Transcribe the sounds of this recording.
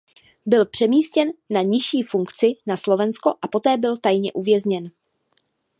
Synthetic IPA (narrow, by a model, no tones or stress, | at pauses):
bɪlpr̝̥ɛmiːscɛnːaɲɪʃiːfuŋkt͡sɪnaslo̞vɛnsko̞ʔapo̞t̪ɛːbɪlt̪ajɲɛʔuvjɛzɲɛn